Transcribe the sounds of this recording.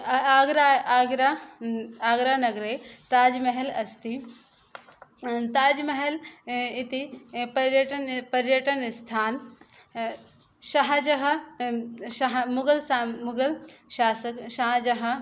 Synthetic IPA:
aːɡɾaːɡɾa | aːɡɾaːnɐɡɾet̪aːd͡ʒmɐɦelɐst̪i | t̪aːd͡ʒmɐɦelɪt̪ipɐɾjɐʈɐnpɐɾjɐʈɐnst̪ʰaːn | ʃɐɦd͡ʒɐɦɐ | ʃɐɦmʊɡɐlsamʊɡɐlʃaːsɐkʃaɦd͡ʒɐɦɐ̆

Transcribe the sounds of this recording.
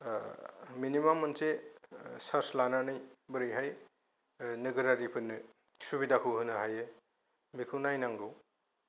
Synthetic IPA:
minimamːɯnse | saɾslananɯjbɯɾɯjɦaj | nɯɡɯɾaɾipʰɯnːɯ | subidakʰɯwɦɯnɯɦajɯ | mikʰɯwnajnaŋɡɯw

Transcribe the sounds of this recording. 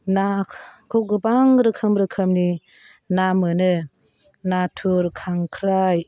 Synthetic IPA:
nakʰoɡɯbaŋɾɯkʰɯmɾɯkʰɯmni | namɯnɯ | natʰuɾkʰaŋkʰɾaj

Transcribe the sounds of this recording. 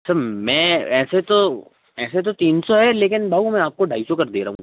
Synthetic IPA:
sɐɾmɛ̃ːɛːset̪o | ɛːset̪̬ot̪iːnsoɦɛleːkɪnbʱaːɦumɛ̃aːp̚koɖʱaːisokɐɾd̪eːɾɐ̰ɦṵ̃

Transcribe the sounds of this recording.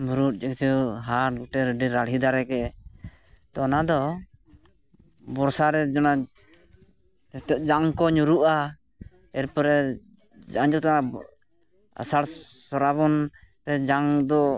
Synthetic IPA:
buɾut̪̚ˀd͡ʒɛk̚t͡ʃuɦaɾ̚ɡuʈɛɾɖiɾaɽɦid̪aɾɛkɛ | t̪ɔːnad̪ɔ | bɔɾsaɾɛd͡ʒɔna | ɛt̪ɔʔ̚d͡ʒaŋkɔɲuɾuʔa | ɛɾpɔɾɛ | d͡ʒaŋd͡ʒɔt̪ana | a̰saɽsɔɾaβɔn | ɾɛd͡ʒaŋd̪ɔ

